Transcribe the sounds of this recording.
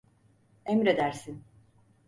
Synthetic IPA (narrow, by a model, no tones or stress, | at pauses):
ɛmɾed̪æɾsin